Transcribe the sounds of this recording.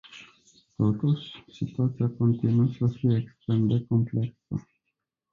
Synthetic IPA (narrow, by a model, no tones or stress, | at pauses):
t̪ot̪uʃsit̪uat̪siako̞nt̪inuəsəfijeːkst̪ɾemd̪ekompleksə̰